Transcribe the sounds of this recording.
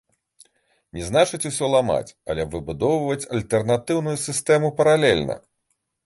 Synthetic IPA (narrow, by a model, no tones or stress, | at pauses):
nʲɛznat͡ʂɨt͡sʲusʲɔlˠama̰t͡sʲɐ̰lʲɛvɨbud̪ɔwvvɐt͡sʲɐlʲt̪ɛrnat̪ɨwnujusʲɨst̪ɛmupɐɾalʲɛlʲnɐ̰